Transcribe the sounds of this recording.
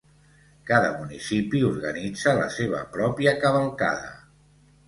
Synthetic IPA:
kaðəmunisipiuɾɣənid͡zələ̰seβə̰pɾɔpiəkəβəlˠka̰ðə̰

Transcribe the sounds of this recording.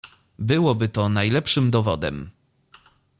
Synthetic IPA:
bɘwɔbɘt̪ɔnajlɛpʂɘmd̪ɔvɔd̪ɛ̰m

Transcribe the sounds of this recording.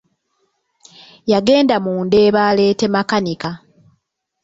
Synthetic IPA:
jaɡe̞ːndamuːnde̞ːβaːle̞ːte̞makanika

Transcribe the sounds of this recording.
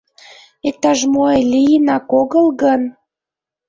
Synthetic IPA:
ek̚t̪ɑʒmoelʲijənɑkoɣəlɣən

